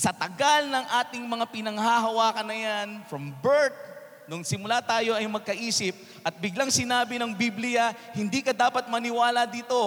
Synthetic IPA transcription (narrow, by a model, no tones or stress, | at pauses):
sɐt̪ɐɡalnɐŋʔaːt̪ɪŋmɐŋapɪnɐŋhaɦɐwaːkɐnɐjanfɾɐmbɛɹt̪̚ | nʊŋsɪmʊlaːt̪aːjo̞ʔɐjmɐɡ̚kɐʔiːsɪp̚ | ʔɐt̪̚bɪɡlaŋsɪnaːbɪnɐŋbiblɪjɐhɪnd̪iːkɐd̪aːpɐt̪̚mɐnɪwaːlɐd̪iːt̪o̞